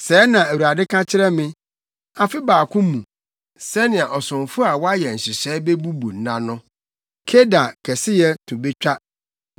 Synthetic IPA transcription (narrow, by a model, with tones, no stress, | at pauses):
sɛː˨˦nã˨æ˨wu˨a˨dɪ˦kʰã˦t͡ɕʰɪ˦ɾɛ˦mɪ̃˦ | a˨fɪ˦baː˨kʰʊ̃˦mːũ˨ | sɛ˦nɪ̃˨a˨ʔɔ˨sʊ̃˨ɱfʊ˦a˨wɔ˦a˦jɛ˨n̩˨ɕɪ˨ɕɛː˨˦be˦bu˦bu˨n̩˦nã˦nʊ̃˦ | kʰe˦da˨kʰɛ˨sɪ˦jɛ˦tʰũ˨be˦t͡ɕᶣa˦